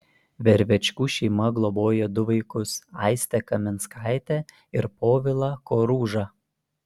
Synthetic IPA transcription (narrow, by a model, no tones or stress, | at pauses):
ʋʲɛɾʲʋʲɛt͡ʃʲkuːʃʲɛɪmɐɡlˠɔboːjɛd̪ʊʋɐɪkʊsɑɪsʲt̪ʲɛkɐmʲɪnskɑɪt̪ʲɛ | ɪɾpoːʋʲɪlˠɑkoːɾuːʒɑ